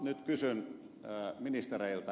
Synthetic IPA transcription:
nyt̪kysyn | minist̪ereilt̪ɑ

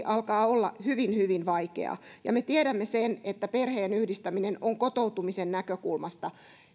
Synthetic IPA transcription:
ʔɑlkɑːolːɑ̰hyʋinhyʋinʋɑikḛɑ̰jɑ̰met̪ieɾæmːesenet̪ːæperheːnyhdist̪æminenoŋkot̪out̪umisennækøkulmɑst̪ɑ

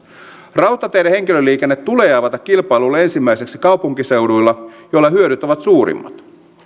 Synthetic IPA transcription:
rɑwt̪ːˑɑt̪ejɾehe̞ŋk̟ilølːiːkenːet̪ːuleɑːʋɑt̪ɑkːilpɑjlulːɑe̞nsimːæiseksikɑwpuŋkise̞wdujlːɑjolːɑhyøɾyt̪oʋɑt̪suːɾḭmːɑ̰t̪

